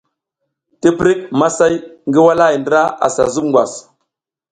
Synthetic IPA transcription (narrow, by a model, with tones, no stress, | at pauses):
ti˦pɾi˦k̚ma˦sa˦jŋɡi˦wa˦la˦i˨ndɾa˦a̰˨sa̰˨zu˦mŋɡwa̰˨s